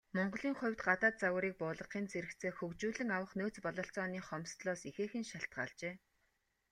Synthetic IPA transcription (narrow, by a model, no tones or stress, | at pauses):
mɔɴɢɞ̆ɮiːŋχʊ̟wʲt̪ɢat̪aːt̪̚t͡saw̆ɾiːk̚pʊːɮə̆qiːnt͡sʰeɾɘ̆kt͡sʰeːxɵkt͡ɕuːɮɘ̆ŋawə̆χnoːt͡spɔɮɔ̆ːɬt͡sɔːniːχɔmst̪ɮɔːsixeːxɘ̆nʃaɬt̪̚ɢa̰ːɮt͡ɕeː